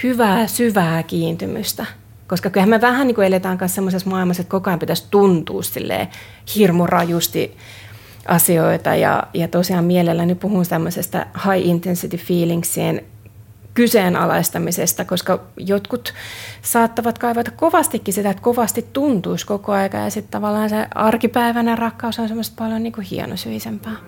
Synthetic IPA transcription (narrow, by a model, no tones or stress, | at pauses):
hyʋæːsyʋæːkiːnt̪ymyst̪æ | koskɑkylhæmmæʋæhænniːkuelet̪æːŋkɑnssemːosesmɑilmɑset̪kokoɑimpit̪æst̪unt̪ṵːssḭlːḛː | hirmurɑjust̪i | ʔɑsioit̪ɑ̰jɑ̰jɑt̪osiɑmmielelːænypuhunsemːøsest̪æ̰hɑiʔint̪ensit̪ifiːliŋksien | kyseːnɑ̰lɑ̰ist̪ɑmisest̪ɑkoskɑjot̪kut̪sɑːt̪ːɑʋɑt̪kɑiʋɑt̪ɑ̥kkoʋɑst̪ikːisit̪æet̪koʋɑst̪it̪t̪unt̪uiskokoɑikɑ̰jɑ̰sit̪t̪ɑʋɑlːɑːnsḛɑrkipæiʋænærɑkːɑusonsemːost̪̚pɑljoniːŋkuhḭḛno̰syisempɑː